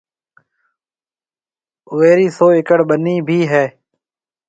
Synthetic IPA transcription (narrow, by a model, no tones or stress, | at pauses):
ʋeːɾiːsoːɪkəɽɓəniːbʱiːɦɛː